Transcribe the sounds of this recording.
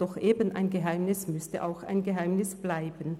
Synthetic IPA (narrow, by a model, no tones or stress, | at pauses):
d̥ɔχʔeːbənʔa̰ɪnɡəɦaɪmnɪsmʏstə̰ʔa̰ʊxa̰ɪnɡəɦaɪmnɪsb̥laɪbən